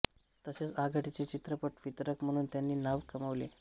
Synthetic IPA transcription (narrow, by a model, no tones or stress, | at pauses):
t̪əɕet͡saɡʱəʈit͡set͡ɕit̪ɾəpəʈʋit̪ɾəkm̤əɽ̃uːnt̪janːiːnaʋkəməʋlḛ